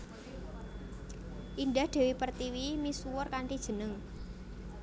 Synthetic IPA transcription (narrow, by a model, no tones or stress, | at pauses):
ʔindahd̪̥e̤wipərt̪iwimisuwʊrkaɳʈid̥ʒ̥ə̤nəŋ